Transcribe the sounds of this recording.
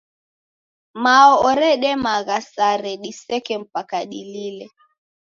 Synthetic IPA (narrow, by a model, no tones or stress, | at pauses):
maɔɔɾɛɗɛmaɣasaɾɛɗisɛkɛm̩pakaɗililɛ